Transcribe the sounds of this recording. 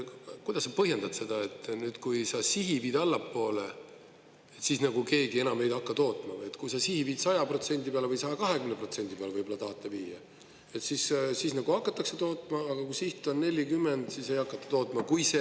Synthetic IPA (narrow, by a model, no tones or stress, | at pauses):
kujd̪̥ɑsːɑpɤɦje̞nd̪ɑd̥̪se̞d̪̥ɑe̞t̪ːˑnyːd̪̥kujsɑsiɦipiːd̪ɑlːɑpːo̞ːle̞ | et̪sisnɑɡuke̞ːɡie̞nɑme̞jd̪ɑkːɑt̪o̞ːt̪ːˑmɑjet̪kujsɑsihipiːd̪sɑjɑpro̞t̪se̞nʲd̪̥ipeɑlevɤjsɑjɑkɑɦe̞kymnepro̞t̪se̞nʲd̪̥ʲipeɑlevɤjbo̞lɑt̪ɑht̪ːˑɑviːjɑ | e̞t̪sissisnɑɡ̥uɑkːˑɑt̪ːˑɑkset̪o̞ːt̪ːˑmɑːɡ̥ɑkujsiht̪ːˑonne̞lʲːikymːe̞nd̪̥sise̞jɑkːˑɑt̪ːˑɑ̥t̪o̞ːt̪mɑkujse